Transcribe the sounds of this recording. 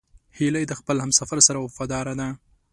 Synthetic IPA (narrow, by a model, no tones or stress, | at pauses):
hiləjd̪əxpəlhamsafaɾsaɾawafɑd̪ɑɾad̪a